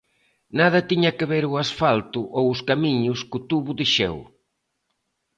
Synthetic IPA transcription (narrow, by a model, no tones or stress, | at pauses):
nað̞ɐt̪iɲɐkɪβeɾʊasfalt̪ʊʔowʊskamiɲʊskʊt̪uβʊðiʃɛ̰w